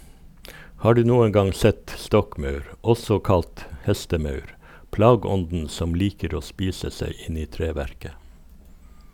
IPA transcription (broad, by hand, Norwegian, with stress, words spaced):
ˈhɑː ˈɖʉː ˈnuːən ˈɡɑŋ ˈsɛt ˈstɔkˌmɑʉɾ ˈɔsɔ ˈkɑlt ˈhɛstəˌmɑʉɾ ˈplɑːɡəˌɔndn̩ ˈsɔm ˈliːkəɾ ˈoː ˈspiːsə ˈseɪ ˈɪn ˈiː ˈtɾeːˌʋæɾkə